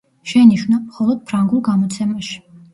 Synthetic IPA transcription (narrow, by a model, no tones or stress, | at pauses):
ʃɛniʃwnamχɔlˠɔd̪̥̚pʰɾaŋɡulˠɡamɔt̪sʰɛmaʃi̥